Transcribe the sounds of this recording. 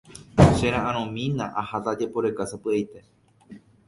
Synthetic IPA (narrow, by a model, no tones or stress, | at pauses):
ʃeɾãʔãɾ̃õmĩnãʔahat̪ad͡ʒepoɾekasapɨejt̪e̞